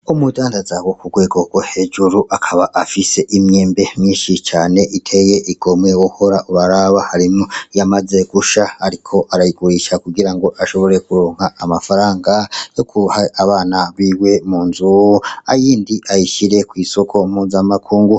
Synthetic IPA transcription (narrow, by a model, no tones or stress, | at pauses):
umudaːndazawo̞kuɡwe̞ːɡo̞ɡ̥wohe̞d͡ʒuɾuʔakʰaβaʔafise̞ʔimjeːmbe̞mɲiːnʃit͡ʃaːne̞ʔitʰe̞je̞ʔiɡ̥o̞mŋewoho̞ɾauβaɾaβahaɾimojamaze̞ɡ̥uʃahaɾikʰo̞ʔaɾajiɡuɾiʃakuɡiɾaŋɡo̞ʔaʃo̞βo̞ɾe̞kuɾo̞ːŋhaʔːmafaɾaːŋɡajo̞kʰuhaaβaːnaβiːwe̞muːnzua̰jiːndiʔajiʃiɾe̞kwiːso̞kʰo̞mhuzamakʰuːŋɡu